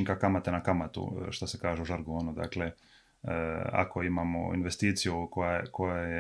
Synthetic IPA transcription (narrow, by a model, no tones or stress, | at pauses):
ŋkakamat̪enakamat̪ṵʃt̪asekaːʒeuʒaɾɡoːnod̪a̰ːkle | a̰kʰo̞imamo̰ḭnʋest̪iːt̪sijukojakojaje